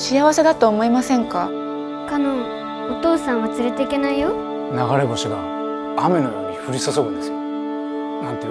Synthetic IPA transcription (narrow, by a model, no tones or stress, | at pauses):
ɕijaβase̞d̪at̪o̞ːmo̞imasẽ̞ŋka | kano | ot̪o̞ːsãɰ̃βat͡sɨɾe̞t̪e̞ike̞naijo | naɡaɾe̞ɡoɕiɡa | ame̞nomaɲiɸɯ̟ɾʲisosoɡɯ̃nd̪esɨo | nãnt̪e